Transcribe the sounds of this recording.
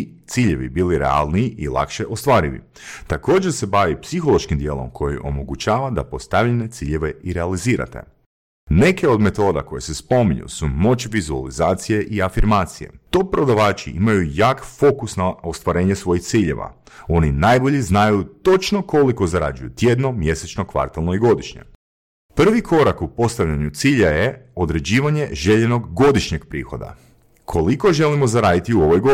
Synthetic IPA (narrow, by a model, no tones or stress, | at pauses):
t̪siːʎe̞ʋḭbiliɾḛa̰lˠniiʔilˠa̰kʃeʔost̪ʋaːɾiʋḭ | t̪ako̞ːd͡ʑeɾse̞baʋipsixolˠo̞ʃkimd̪jeːlˠo̞̰mkʰo̞jiʔo̞̰mo̞ɡut͡ɕaːʋad̪a̰po̞st̪aʋʎenet̪siːʎe̞ʋeiɾealiziːɾa̰t̪e̞̰ | ne̞ke̞o̞d̪me̞t̪o̞ːd̪a̰ko̞jesespo̞miɲṵsumo̞t͡ʃʋizua̰lizaːt̪sije̞ʔiafiɾmaːt̪sijḛt̪opɾo̞d̪aʋaːt͡ʃḭʔḭmajujaːkfo̞kusnaost̪ʋaɾe̞ːɲesʋo̞jixt̪siːʎe̞̰ʋa̰ | o̞ninajbo̞ʎiznajut̪o̞t͡ʃno̞ko̞liko̞zaɾa̰d͡ʒujut̪je̞d̪no̞mje̞set͡ʃno̞kʋa̰ɾt̪alˠnoiɡo̞d̪iʃɲḛ | pr̩ʋikʰo̞ɾakupo̞st̪aʋʎaɲut̪siːʎaje̞o̞d̪ɾe̞d͡ʑiːʋaɲe̞ʒe̞ʎeno̞ɡɡo̞d̪iʃɲeɡpɾḭːxo̞̰d̪a̰ | kʰo̞liko̞ʒe̞limo̞zaɾaːd̪it̪iuo̞ʋojɡo